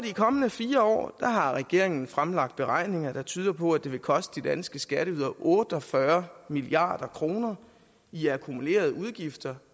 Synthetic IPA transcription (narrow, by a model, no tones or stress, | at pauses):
ɒdikʰɒ̽mənəfiːɐɒ̰ːd̥ɑɦɑ̈ʁɛɡ̥e̝ɐ̰eŋn̩fʁamlɑ̈ɡ̥̚d̥̚b̥e̝ʁɑ̈ɪ̰ne̝ŋɐd̥ɑ̈t͡sʰyːð̞ˠɐpʰɔ̽æd̥e̝ʋe̝kʰɒ̽sd̥əd̥id̥ænsɡ̥əsɡ̥æɾ̥əuð̰ˠɐʔɔ̽ːd̥əɒ̽fɶɐmiliɑ̰̈ːd̥ɐkʰʁo̝ːnɐ | iækʰumule̝̰ːɐð̞ˠuð̞ˠɡ̥ifd̥ɐ